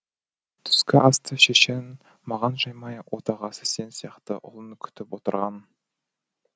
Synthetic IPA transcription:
t̪ʰʏ̥skʲɪʔɑst̪ʰəʃeʃe̞n | mɑʁɑnʒɑjmɑjwʔot̪ɑʁɑsəse̞nsijɑqt̪ə̰ʔʊ̰lˠəŋkʲʰʏ̥t̪ɪpwo̞t̪əɾʁɑn

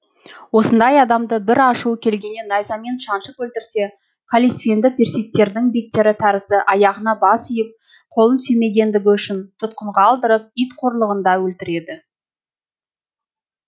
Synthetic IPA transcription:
wo̞sənd̪ɑjɑd̪ɑmd̪əbɪɾɑʃuəkʲʰe̞lɡʲe̞nenɑjzɑme̞nʃɑnʃəpwɵlt̪ɪɾse̞ | kʰolʲisfʲend̪ɪpʲʰeɾsijk̚t̪ːe̞ɾd̪ɪŋbe̞k̚t̪e̞ɾɪt̪ʰæɾɪzd̪ɪʔɑjɑʁənɑbɑsijɪp̚ | qʰo̞lˠənsɵme̞ɡʲe̞nd̪ɪɡʲɪʏʃɪnt̪ʰʊt̪̚qəɴʁɑːlˠd̪əɾəp̚ijt̪qʰo̞ɾlˠəʁənd̪ɑwɵlt̪ɪɾe̞d̪ɪ

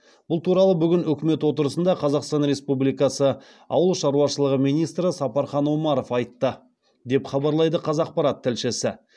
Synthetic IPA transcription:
b̥ʊlˠt̪ʰuɾɑlˠəbʏɡʲɪnʏkʲɪme̞t̪wo̞t̪əɾəsənd̪ɑqʰɑzɑqst̪ɑnɾe̞spublijkɑsə | ɑ̰wəlˠʃɑɾuɑʃəlˠəʁəmijnijst̪ɾəsɑpɑɾχɑnwomɑɾo̞fɑjt̪ːə | d̪e̞pχɑbɑɾlˠɑjd̪əqʰɑzɑq̚pɑɾɑt̪ʰːɪlʃɪsɪ

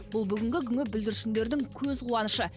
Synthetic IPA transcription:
bʊlˠbʏɡʲɪŋɡʲɪkʲʰʏŋʲɪbɪld̪ɪɾʃɪnd̪e̞ɾd̪ɪŋkʲʰɵzqʰuwɑnəʃə

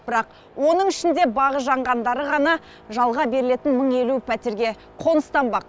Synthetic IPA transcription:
b̥ɪɾɑq | wo̞nəɴɪʃɪnd̪e̞bɑʁəʒɑɴʁɑnd̪ɑɾəʁɑnɑ | ʒɑlˠʁɑbe̞ɾɪle̞t̪ɪnməɴe̞lupʰæt̪e̞ɾɡʲe̞ | qʰo̞nəst̪ɑmbɑq

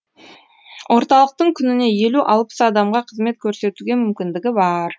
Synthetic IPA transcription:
wʔo̞ɾt̪ɑlˠəq̚t̪əɴkʲʰʏnɪne̞je̞luʔɑlˠpə̥sɑd̪ɑmʁɑqʰəzme̞t̪̚kʲʰɵɾse̞t̪uɡʲe̞mʏmkʲɪnd̪ɪɡʲɪbɑɾ

